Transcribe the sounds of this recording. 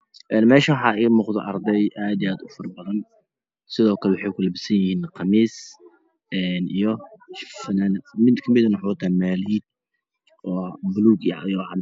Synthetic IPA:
ʔɛːnmɛːʃɐwħɑːʔiːmʊːqd̪ɪ̰ʔɑ̰ɾd̪ɛjʔaːd̪ijaːd̪ʊfɐrbɐðɐn | sɪðɔːkʰɐlɛwʊħɛjkʊlɐbɪsɐnjɪhiːnqɑmiːs | ʔɛːnʔijɔʃfɐnaːnmɪd̪kʰɐmɪd̪ɐnʊħʊt̪ʰamaːliːd̪̚ | ɔːbʊluːɡjʕjɔwʕ

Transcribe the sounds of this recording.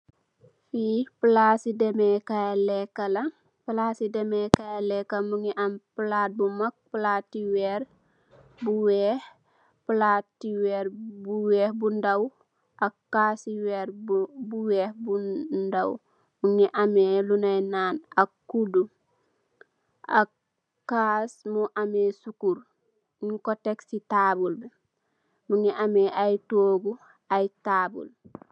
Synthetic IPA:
fipəlaːsidɛmɛkajalɛkːɐlɐ | pəlasidɛmɛkajalɛkːɐmuŋiʔampəlaːt̚bumak̚pəlaːtːiwɛːɾ | buwɛh | plaːtːiwɛɾbuwɛːhbundaw | ʔakːasiwɛɾbuwɛhbundaw | muŋiʔamɛlunajnaːnakːudu | ʔa̰ | kːasmuʔamɛsukuɾ | iŋkɔteksitaːbulbɛ | muniʔamɛʔajtoːɡu | ajtaːbṵl

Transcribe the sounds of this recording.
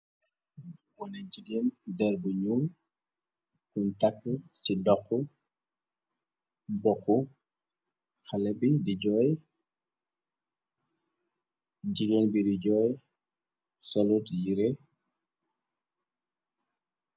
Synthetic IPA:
wɔnaɟiɡendɛɾbuɲul | kuntakːəsidɔkːu | bɔkːu | xalɛbidid͡ʒɔj | d͡ʒiɡenbidid͡ʒɔj | sɔlutjiɾe

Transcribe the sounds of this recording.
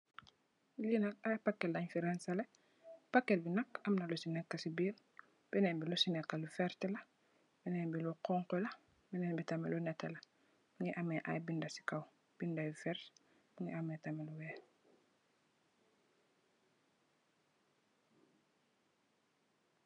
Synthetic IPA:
linɐkajpakːelːaɲfiɾɛnsale | pakːelbinɐkɐmnɐlusinɛkːasibiːl | b̥ɛnɛːmbilusinɛkːalufɛɾtɛlɐ | bɛnebiluqɔŋkɔlɐ | bɛnɛnbitamɛ̰lunɛtːɛlɐ | miŋiʔamɛʔa̰jbindɐsi̥kaw | b̥indajufɛɾt | biŋiʔametameluwɛː

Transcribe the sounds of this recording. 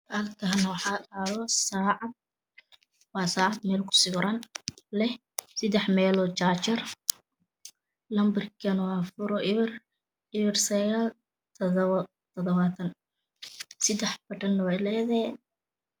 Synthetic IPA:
ɐlkʰɐɦnɐwɑħɑːdaːlɔsaːʕɑd̪̚ | wɑːsaːʕɑd̪mɛːlkʰʊ̥sɪɾɐnlɛh | sɪd̪ɛħmɛːlɔːt͡ʃaːt͡ʃɐr | lɐmbɐrkʰɐnwɑːfʊɾɔʔɪβr | ɪβɪrsɐɣaːl | t̪ʰ | t̪ʰɔðɔβaːt̪ʰɐn | sɪd̪ɛħbɐʈɐnːɐwɛlɛðɛ

